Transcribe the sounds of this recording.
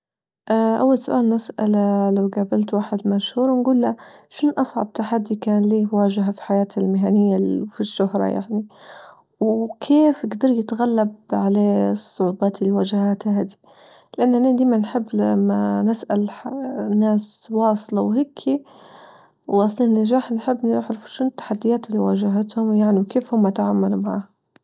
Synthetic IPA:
ʔaʔa̰wːalsʊʔaːlnɪsʔa̰lalawɡaːbalt̪waːħɪd̪maʃhuːɾˤwɪnɡuːlːaʃʊnʔɑsˤʕɑ̰b̚t̪aħad̪ːikaːnliːwaːʒɪɦafi̥ħajaːt̪almɪɦanɪjːafiʃːʊhɾˤɑ̰ja̰ʕni | wkʰeːfɪɡd̪ɑɾˤjɪt̪ɣalːabʕaleːsˤːʊʕuːbɑːt̪ɪlːiwaʒahaːt̪haɦad̪i | lɪʔanːanad̪iːmanħɪbːlamːanɪsʔalnːaːswɑːsˤlɑwhɪkʰːi | wwɑsˤliːnːaʒaːħnħɪbːnɪʕɾɪfu̥ʃʊnɪt̪ːaħad̪ːɪjaːt̪ɪlːiwaːʒaɦat̪hʊmjaʕniwkeːfhʊmːaʔat̪ʕaːmːalumaʕa̰ːh

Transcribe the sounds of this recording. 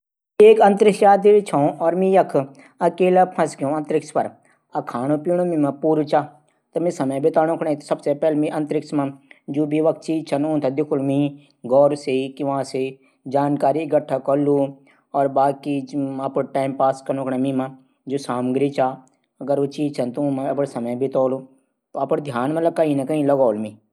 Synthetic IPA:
eːkɐ̃nt̪ɾɪksjaːt̪̬iɾt͡ʃʰãõʔɔːɾmĩːjɐkʰ | ɐkeːlapʰɐ̃skjõɐ̃nt̪ɾɪkspɐɾ | ɐkʰaːɽ̃õːpiːɽ̃õmĩmãpuːɾut͡ʃaː | t̪ɐmĩsɐməjbit̪aːñõkʰɳait̪ʰsɐbsepɛːlmĩʔɐ̃nt̪ɾɪksmãd͡ʒuːbʱiʋɐk̚t͡ʃʰiːt͡ʃʰɐnõːt̪ʰɐd̪ɪkʰʊlmĩː | ɡɔːɾseikiʋãːse | d͡ʒaːnkaːɾiɡəʈʰːakɐlːuː | ɔːɾbaːkiɐpəʈaːɪmpaːskɐɾnõːkʰɽãmĩːmã | d͡ʒosaːmɡɾit͡ʃaː | ɐɡəɾot͡ʃiːd͡ʒt͡ʃʰɐnt̪õmãɐpəɽsɐməjbɪt̪ɔːloː | t̪oɐpəɽd̪ʱjaːnmɐlɐkɐĩnɐkɐĩlɐɡɔːlmĩː

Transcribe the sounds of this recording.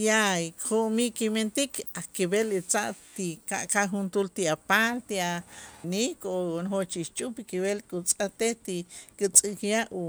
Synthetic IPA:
jaikχoʔmiʔkiment̪ikʰakibelit͡saʔt̪ika̰ʔkaxunt̪ult̪iapalt̪ianikonxot͡ʃiʃt͡ʃʼupikiβelkʼut͡sʼat̪eht̪ikit͡sʼikjaʔu

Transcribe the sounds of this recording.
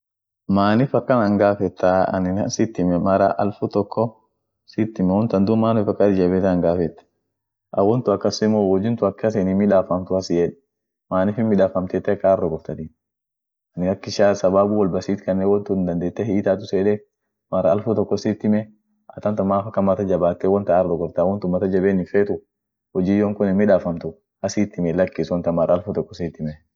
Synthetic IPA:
maːnɪfɐkːɐnɐŋɡaːfɛt̪ːaɐ̰nɪnɐ̰nsɪt̪ːɪmɛmɐɾɐ̰ʔɐ̰lfʊt̪ɔkːɔ | siːt̪ːɪmɛhɔnt̪ɐnd̪ʊmaːnfɐkːad̪ɪd͡ʒɐbeːt̪ːɐŋɡaːfɛt̪ːɛ̥ | ʔɐwɔnt̪ʊɐkːɐsɪmowɔd͡ʒɪnt̪ʊɐkːɐs̬enɪmɪᶑaːfɐmt̪ʊɐsɪjɛᶑ | maːnɪfɪnmɪᶑaːfɐmt̪eːt̪ːɛkːaːrːɔɡɔft̪ɐt̪i | nɪɐkːɪʃaːsɐbaːbʊwɐlbɐsiːt̪kɐnːewɔnt̪ʊɪnd̪ɐnd̪e̞ːt̪ːɛhiːt̪aːt̪̬ʊseːᶑɛ | mɐɾɐɐlfʊt̪ɔkːɔsiːt̪ːɪmɛ | ɐt̪ɐnt̪ɐmaːfɐkːɐmɐt̪ɐd͡ʒɐbaːt̪ːɛwɔnt̪ɐːɾd̪ɔɡɔɾt̪ːwɔnt̪ʊmːɐt̪ɐd͡ʒɐbeːnɪfeːt̪ʊ | hɔd͡ʒiːjoːŋkʊnɪmɪᶑaːfɐmt̪ʊ | ɐsiːt̪ːɪmɛlɐkːiːswɔnt̪ɐmɐɾʔɐːlfʊt̪ɔkːɔsiːt̪ːɪmɛ

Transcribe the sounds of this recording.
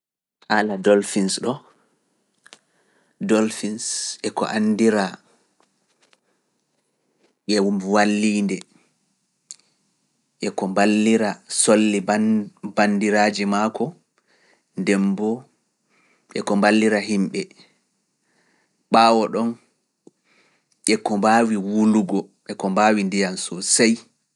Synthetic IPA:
ʔaladɔlfinsɗɔ | dɔlfinsʔɛkɔ̰ʔandiɾa | ʔɛwumwalːiːndɛ | ʔɛkɔmbalːiɾasolːibandiɾaːd͡ʒimaːkɔ | ndɛmbɔ | ʔɛkɔmbalːiɾaɦimɓɛ | ɓaːwɔɗɔn | ʔɛkɔmbaːwiwuluɡɔʔɛkɔmbaːwindijansɔsaj

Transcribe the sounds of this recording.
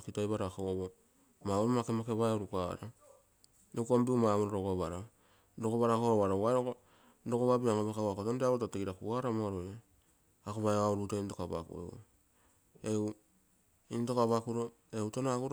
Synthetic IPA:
kitajβaɾakoβo | maoɾomakemakeβajoɾukaɾa | nekombiumamuɾoɾoɡaβaɾa | dokoβaɾakoɾoβaɾawaoo | dokoβabiaŋobekawakotondeaɾotateɡiɾakuaɾamaɾoje | akoβaeaoɾutaintokaba̰kṵḛ | eu | into̞kaβakuɾo | eutanaaɡuɾ

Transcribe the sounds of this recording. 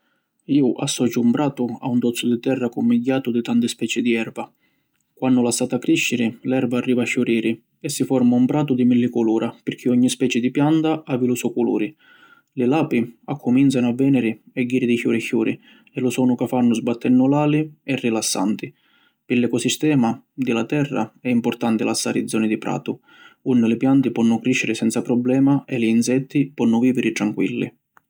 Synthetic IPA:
iːʊʔa̰sːɔd͡ʒːuumpɾaːt̪ʊa̰und̪ɔt̪sːʊd̪it̪ɛrːakumːiɟːaːt̪ʊd̪it̪ant̪ɪspɛːt͡ʃɪd̪iɛrva | kwanːʊlasaːt̪akːɾiʃːɪɾɪlɛrbaːrːiːvaʃːuɾiːɾi | ɛsːifɔɾmaumpɾaːt̪ʊd̪imilːikuluːɾʔapɪɾk̟ʰiɔɲːispɛːt͡ʃɪd̪ipjant̪aʔavilusɔkulṵːɾi | lɪlaːpiakʰːʊminsanʊavːɛːnɪɾi | ɛɡːiːɾid̪içjuːɾɛçːuːɾʔi | ɛlʊsɔːnʊkafanːʊzbat̪ʰːɛnːʊlaːliɛrːilasːa̰nt̪i | pɪlɛkɔsist̪ɛːmad̪ɪlat̪ɛrːa̰ɛimpʊrt̪ant̪ɪlasːa̰ːɾḭd̪zɔːnid̪ipɾa̰ːt̪ʊ | unːɪlɪpjant̪ɪpɔnːʊkɾiʃːɪɾɪsɛnt̪sapɾɔblɛːmaɛliːnsɛt̪ːipɔnːʊviːvɪɾɪt̪ɾaŋkwḭlːḭ

